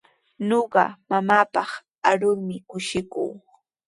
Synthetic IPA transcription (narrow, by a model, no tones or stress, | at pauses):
noɢɑ̰mamaːpɑχ | aɾʊɾmɪkʊʃɪkṵː